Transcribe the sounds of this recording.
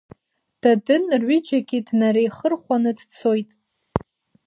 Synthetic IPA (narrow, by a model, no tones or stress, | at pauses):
d̥adɨnrɥɪd͡ʒaɡʲidnaɾejχərχʷanɨdt͡sʰo̞jtʼ